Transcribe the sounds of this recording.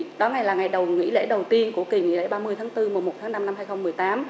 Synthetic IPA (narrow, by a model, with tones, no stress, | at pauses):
ɗɔ˨˦ŋa˧jlaː˨˩ŋa˨˩jɗə˨˩wŋḭ˧˥lḛ˧˥ɗə˨˩wt̪i˧ənku˧˩əki˨˩ŋḭ˧˥lḛ˧˥ɓaː˧mɨ˧əjt̪ʰːŋt̪ɨ˧mu˨˩mo˨˩t̪̚ʰaː˨˦na˧mna˧mɦaː˧jxə˧wŋ͡mmɨ˨˩əjt̪aː˨˦m